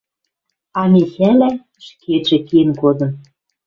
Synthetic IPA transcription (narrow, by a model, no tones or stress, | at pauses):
ɑmʲexælæ | ʃkʰeʒĕkienkod̪ɤ̆m